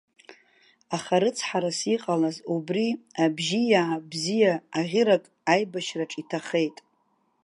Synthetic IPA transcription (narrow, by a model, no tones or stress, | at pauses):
aχaɾɨt͡sʰħaɾasiqʼalazubriabʒijaabzijaaʁʲɪɾakʼajbaʃraʈ͡ʂʼitʰaχe̞jtʼ